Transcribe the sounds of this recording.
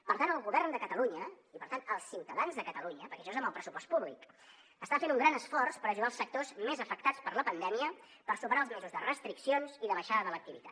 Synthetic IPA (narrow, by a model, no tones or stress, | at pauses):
pəɾt̪anəlˠɣuβɛrnd̪əkət̪əluɲə | ipəɾt̪anəlˠsːiwt̪əðanzðəkət̪əluɲəpəɾkɛəʃɔezəmbəlˠpɾəsupɔst̪puβlik | əst̪afenuŋɡɾanəsfɔrspəɾəʒuɣalˠsək̚t̪ozmezəfək̚t̪at͡spəɾləpənd̪ɛmiə | pəɾsupəɾaəlˠzmɛzuzðərəst̪ɾiksionziðəβəʃaðəðələk̚t̪iβit̪a